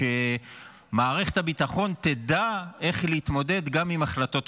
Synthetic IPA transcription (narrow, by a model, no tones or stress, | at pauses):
e | maːʁe̞χe̥t̪habit̪aχo̞nt̪e̞d̪ae̞χleit̪mo̞de̞d̪ɡamimaχlat̪o̞t